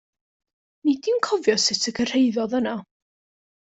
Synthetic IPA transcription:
nidinkʰɔvjɔsɪtʰəkʰər̥ejðɔðəna

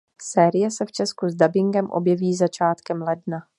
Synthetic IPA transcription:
sɛːɾɪjɛsɛft͡ʃɛskuzdabɪŋɡɛmʔo̰bjɛviːzat͡ʃaːt̪kɛmlɛdna

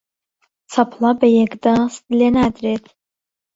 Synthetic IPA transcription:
t͡sʰapʰlabajɛɡʼdasdlʲenadretʰʼ

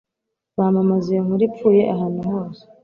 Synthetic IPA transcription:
βaːmamazijoŋ̥uɾip̪fuːje̞ʔaɦanuɦoːzi

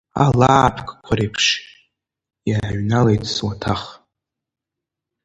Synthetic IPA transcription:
a̰laːpʰkʼkʷʰaɾejpʰʂ | jaɥnalejtʰʼswatʰaχ

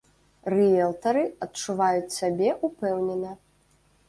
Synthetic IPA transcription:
rɛjɛlˠt̪ɐɾɨɐt̚t͡ʂuvajut͡sʲsʲabʲɛʔupɛwnʲɛnɐ

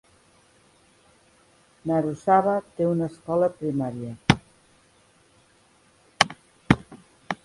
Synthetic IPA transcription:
naɾusaβat̪eunəskɔləpɾimaɾjə

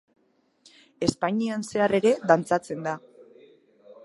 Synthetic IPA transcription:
e̞spaɲianse̞are̞ɾe̞ðant͡sat͡se̞nd̪a

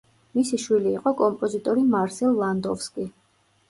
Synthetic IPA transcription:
misiʃwiliːqʼɔkʼɔmpʼɔzit̪ʼɔɾimaɾsɛlˠːand̪ɔfskʼi

